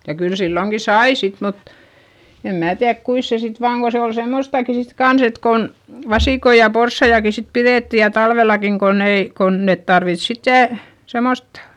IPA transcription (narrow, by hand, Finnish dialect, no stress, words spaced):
jɑ kyl silːoŋki sɑi sit mut em mæː tiæðk kuis se sit ʋɑːŋ ko se ol semːostɑˑki sit kɑns et kon ʋɑsiˑkoi jɑ porsːɑijɑki sit piðeˑtːi jɑ tɑlʋelɑkiŋ konː ei kon net tɑrʋit sitːeˑ semost